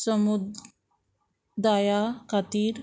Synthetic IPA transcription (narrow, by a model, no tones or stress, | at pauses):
səmud̪ | d̪ajakʰat̪iːɾ